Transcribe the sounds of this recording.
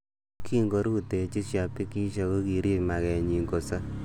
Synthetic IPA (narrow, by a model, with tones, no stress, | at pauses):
kʰi˦ŋɡo˦ɾu˦te˨t͡ʃi˦sja˨pi˦ki˦ʃa˧ko˦ki˨ɾi˦˨ma˨kɛ˨ɲi˨ŋɡo˨sa˦